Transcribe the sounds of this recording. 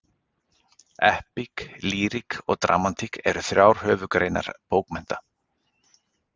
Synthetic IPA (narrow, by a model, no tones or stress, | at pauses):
ɛhpikliːɾikɔɣt̪ɾʔa̰ːmant̪ʰikɛɾʏθɾʲjawɾ̥hœːvʏkɾejna̰ɾ̥poːwkmɛn̥t̪a